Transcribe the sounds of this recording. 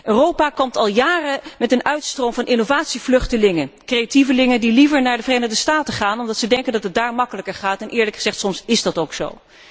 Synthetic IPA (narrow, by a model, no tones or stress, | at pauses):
ʔøːrowpaːkɔmtɑlˠjaːrəmɛtənœɥtstrowmvɑnʔɪnovaːtsivlɵχtəlɪŋəkrejativəlɪŋəndilivəɹnaːɹdəvərejnəχdəstaːtəχaːnɔmdɑtsədɛŋkəndɑtɦət̚daːɹmɑkələkəɹχaːtɛnʔɪːɹləkχəz̥ɛχtsɔmsɪzdɑtowkso̰w